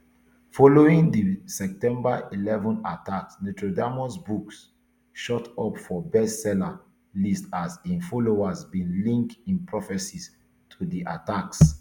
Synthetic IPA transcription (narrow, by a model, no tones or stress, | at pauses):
fɔloĩŋdisɛp̚tɛ̃mbailɛvɔ̃nataksnutɹodamɔsbuks | ʃɔtɔpfɔbɛssɛla | listasĩnfɔloasbĩnlĩŋktĩnpɹɔfɛsis | tʰudiʔa̰taks